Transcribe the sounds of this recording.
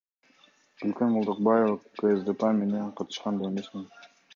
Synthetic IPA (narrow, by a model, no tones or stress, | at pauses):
b̥ylkʲønmulˠd̪əq̚bɑjevakəezd̪epeme̞nenqʰɑt̪ʰɯ̥ʃqɑnd̪eenesmen